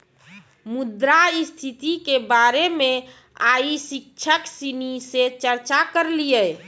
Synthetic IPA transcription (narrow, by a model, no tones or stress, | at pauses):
mud̪ɾaist̪ʰit̪ikebaɾeme | aisik̚t͡ʃʰəksiniset͡ʃəɾt͡ʃakəɾlijə